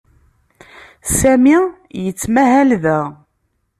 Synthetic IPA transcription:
sæmi | jət͡sːmæɦælðæ

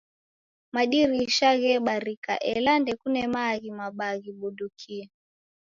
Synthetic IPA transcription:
maɗiɾiʃaɣɛɓaɾika̰ʔɛlandɛkunɛmaɣimaɓaɣiɓudukʰia

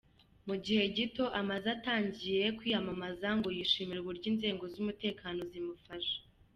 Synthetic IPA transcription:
muɟihe̞ɟito̞ʔamazataːɲɟije̞kwiːjamamazaŋɡo̞jiʃiːmiɾɡuɾɟiːnze̞ːŋɡo̞zumute̞ːkaːno̞zimufaʃḁ

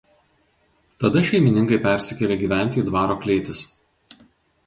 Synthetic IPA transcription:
t̪ɐd̪ɐʃʲɛɪmʲɪnʲɪŋkɐɪpʲæˑɾʲsʲɪkʲɛlʲeːɡʲiːʋʲæˑnʲt̪ʲiːd̪ʋɑːɾoːklʲeːt̪ʲɪs

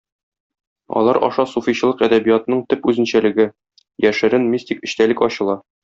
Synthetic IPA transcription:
ɒ̰lˠɑɾʔɒ̰ʃɑsufiɕɤ̆lˠɤqæd̪æbijɑt̪ɤ̆nɤɴt̪ɘpʉzɘ̆nɕælɘ̆ɡɘ | jæʃɘ̆ɾɘnmʲisʲt̪ʲikɘ̆ɕt̪ælɘkɒɕɤ̆lˠɑ

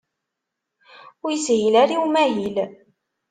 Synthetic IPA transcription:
ʊɾjəsɦilæɾiwumæɦil

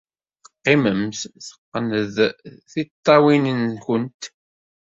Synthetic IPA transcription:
θəqːiməmsθə̥qːnəðθit̪ˤːɑwinənkənt̪

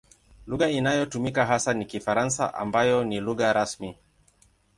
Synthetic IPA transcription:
luɣainajɔtumikaɦasanikifaɾansa̰ʔa̰mbajɔniluɣaɾasmi

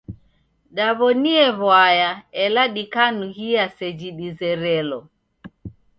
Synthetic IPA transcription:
ɗaβɔniɛβwajaɛlaɗikanuhiasɛd͡ʒiɗizɛɾɛlɔ

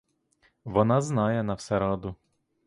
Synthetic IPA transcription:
ʋɔnɑznɑjɛnɐwsɛɾɑd̪ʊ

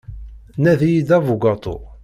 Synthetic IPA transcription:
næðijid̪ævuɡɑt̪ˤo̰

